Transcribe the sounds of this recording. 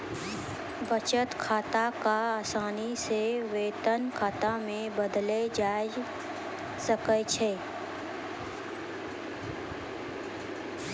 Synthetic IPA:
bʱət͡ʃət̪kʰaːt̪akaaːsaːniseʋeːt̪ənkʰaːt̪amẽbəd̪led͡ʒaː | səkət͡ʃʰeː

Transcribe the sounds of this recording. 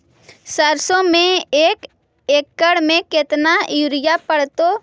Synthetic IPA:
səɾsõmẽeːk | ekːəɽmẽkɪt̪najuɾɪjapəɽt̪o

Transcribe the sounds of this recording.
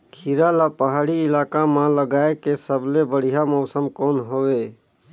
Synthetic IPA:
kʰiɾalapəɦaːɽiɪlaːkamãləɡaːekesəblebəɽ̤ijamɔːsəmkɔːnɦoːʋeː

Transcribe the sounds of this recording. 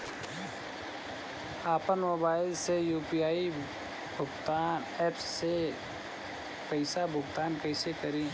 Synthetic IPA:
aːpənmɔːbaːɪlsejuːpijaːi | bʱʊɡt̪aːn | ɛːpse | pəɪsabʱʊɡt̪aːnkɛɪsekəɾĩː

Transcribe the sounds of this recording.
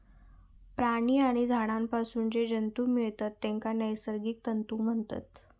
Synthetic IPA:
pɾaɽ̃iːaɽ̃id̪ʱaɽ̃ampasuːnd͡ʑed͡ʑənt̪uːmiɭt̪at̪ːẽŋkanəjsəɾɡiːk̚t̪ənt̪uːm̤əɳt̪a̰t̪

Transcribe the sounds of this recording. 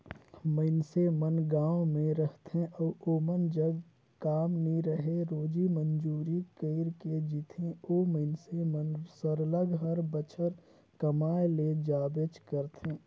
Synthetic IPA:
məɪnsemənɡãːwmẽɾəht̪ẽʔɔːʔoːmənd͡ʒəɡ | kaːmniɾəɦeɾoːd͡ʒimənd͡ʒuːɾikəɪɾked͡ʒit̪ʰẽoːməɪnsemənsəɾələɡɦəɾbət͡ʃʰəɾ | kəmaːjled͡ʒaːbet͡ʃkəɾt̪ẽː

